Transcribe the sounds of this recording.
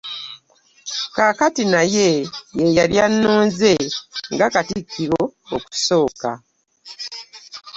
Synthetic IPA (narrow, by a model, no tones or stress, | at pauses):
kakatinaje̞jejaljanːoːnze̞ŋɡakatikːiɾoːku̥so̞ːka̰